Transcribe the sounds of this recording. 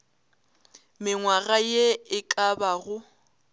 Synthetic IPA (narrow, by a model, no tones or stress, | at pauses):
mɪŋwaɣajeɪkʼabaɣʊ